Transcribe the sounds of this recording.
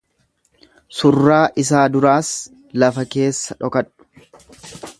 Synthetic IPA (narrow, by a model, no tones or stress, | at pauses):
sʊrːaːʔɪs̬aːd̪ʊɾaːs | lɐfɐke̞ːsːɐᶑɔkɐᶑʊ̥